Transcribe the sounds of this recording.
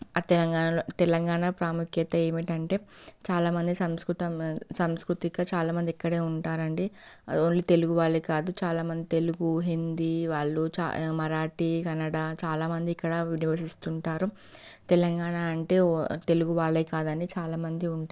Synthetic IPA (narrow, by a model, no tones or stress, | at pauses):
t̪ɛlɐŋɡaːɐlot̪ɛlɐŋɡaːɳapɾaːmukjɐt̪ɐe̞ːmiʈɐɳʈe̞ːt͡ʃaːlaːmɐnd̪isɐmskɾut̪ɐmsɐmskɾut̪iɡaːt͡ʃaːlaːmɐnd̪ikːɐɽe̞ːuɳʈaːɾɐɳɖioɳlit̪e̞luɡuʋaːlɐjkaːd̪ut͡ʃaːlaːmɐnd̪it̪e̞luɡuɦind̪iʋaːɭːut͡ʃa̰mɐɾaːʈikɐnːɐɽaːt͡ʃaːlaːmɐnd̪iːkːɐɽɐʋiniʋɐsist̪uɳʈaːɾu | t̪ɛlɐŋɡaːɳaɐɳʈe̞ːt̪e̞luɡuʋaːɭɐjkaːd̪ɐnit͡ʃaːlaːmɐnd̪iuɳʈa